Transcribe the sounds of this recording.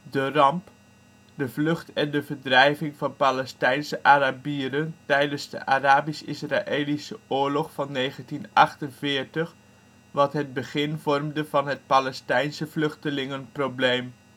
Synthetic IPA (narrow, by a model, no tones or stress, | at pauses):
dərɑmp | dəvlɵχtɛndəvəɹdrɛjvɪŋvɑnpalɛstɛjnsəʔaːɾabiəɾəntɛjdənzdə̰ʔaraːbisɪsraʔeːlisəʊːɹlɔχfɑnːejχəntinʔɑχtənvɪːɹtəχ | ʋɑtɦəd̚bəχɪnvɔrmdəvɑnɦət̚palɛstɛjnsəvlɵχtəlɪŋənproblejm